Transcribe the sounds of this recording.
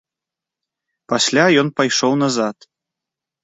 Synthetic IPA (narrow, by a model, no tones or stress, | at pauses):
pasʲlʲajɔnpajʂɔwnazat̪